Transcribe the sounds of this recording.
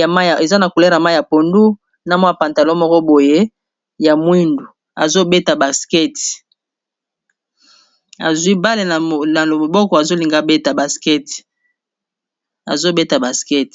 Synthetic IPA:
ma˦˨e˨za˦na˨ku˨le˦ɾa˨ma˦˨ja˨po˨ndu˦ | na˦mɔ˦a˨pa˨nta˨lo˦mɔ˦kɔ˦bo˨je˦ | ja˨mwi˦ndu˨ | a̰˨zo˦be˦ta˨ba˨skɛ˦t | a̰˨zwi˦ba˦le˨na˨la˨lo˨mo˨bɔ˦kɔ˨a˨zo˦li˨ŋɡa˦be˦ta˨ba˨skɛ˦t | a̰˨zo˦be˦ta˨ba˨skɛ˦t

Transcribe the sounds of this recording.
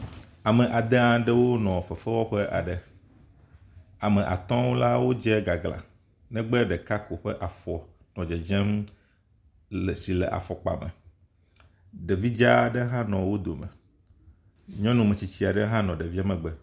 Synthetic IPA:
a˨mɛ˨ʔa˨d̪e˦ã˦ɖɛ˦wo˦nɔ̃˨fɛ˨fɛ˦wɔ˦ɸɛ˦ʔa̰˨ɖɛ˨ | a˨mɛ˨ʔa̰˨t̪ɔ̃˦wo˦la˦wo˦d͡ʒɛ˦ɡa˨ɡla̰˨ | nɛ̃˦ɡ͡bɛ˦ɖɛ˨ka˦ko˨ɸɛ˦ʔa˨fɔ˨ | nɔ̃˨d͡ʒɛ˨d͡ʒɛ̃˦m | lsi˨lɛ̰˨ʔa̰˨fɔ˨k͡pa̰˨mɛ̰̃˨ | ɖe˨vi˦d͡ʒa˦ɖe˦ɦã˦nɔ̃˨wo˦d̪o˨mɛ̰̃˨ | ɲɔ̃˦nũ˨mɛ̃˨t͡ɕi˨t͡ɕi˦a˨ɖe˦ɦã˦nɔ̃˨ɖe˨vi˦a˦mɛ̃˨ɡ͡bɛ˨

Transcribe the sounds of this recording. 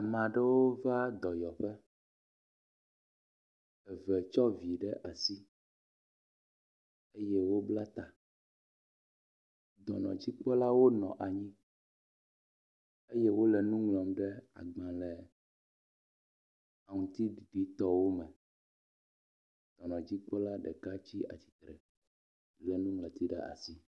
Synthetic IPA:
a˨mã˨ɖɛ˦wo˦va˦d̪ɔ˨jɔ˨ɸɛ˦ | ɛ˨vɛ˨t͡ʃɔ˦vi˨ɖɛ˦ʔa˨si˦ | e˦jɛ˦wo˦bla˦t̪a˨ | d̪ɔ̰˨nɔ̰̃˨d͡ʑi˦k͡pɔ˦la˦wo˦nɔ̰̃˨ʔa˨ɲĩ˦ | e˦jɛ˦wo˦lɛ˨nũ˦ŋlɔ̃˨mɖɛ˦a̰˨ɡ͡bã˨lɛ˨ | a˨ŋũ˨t̪i˦ɖi˨ɖi˦t̪ɔ˦wo˦mɛ˨ | d̪̥ɔ˨nɔ̃˨d͡ʑi˦k͡pɔ˦la˦ɖɛ˨ka˦t͡ɕi˦a̰˨t͡ɕi̥˨t̪ɾɛ˨ | lɛ˨nũ˦ŋlɛ̃˨t̪i˦ɖɛ̰˦a̰˨si˦

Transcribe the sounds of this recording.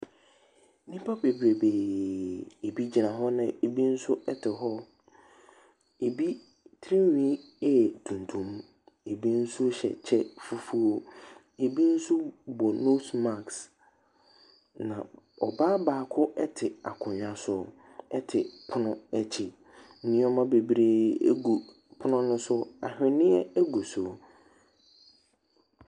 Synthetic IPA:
nĩ˦pʰa˦pe˨bɾe˨be˨ | e˨bi˦d͡ʑi˨nã˨ɦɔ˦nã˨e˨bi˦n̩˦sʊ˦ɛ˦tʰɪ˨ɦɔ˦ | e˨bi˦ | tʰɾĩ˦wĩ˦ | ɛ˦˨tʰũ˨n˨tʰũ˨m̃˦ | e˨bi˦n̩˦sʊ˦ɕɛ̰˨t͡ɕʰɛ˦fu˦fu˦o˦ | e˨bi˦n̩˦sʊ˦bɔ˨no˦sma˨ks | nã˨ɔ̰˨baː˦baː˨kʰʊ˦ɛ˦tʰɪ˨a̰˨kʰʊ̃˨ɲᶣã˦sʊ˦ | ɛ˦tʰɪ˨pʰʊ˦nʊ̃˦ɛ˦t͡ɕʰɪ˨˦ | nĩ˦ɔ˦mã˦be˨bɾeː˦ḛ˦ɡu˨ | pʰʊ˦nʊ̃˦nʊ̃˦sʊ˦a̰˨hᶣɪ˨nɪ̃˦ɛ˦æ˦ɡu˨sʊ˨

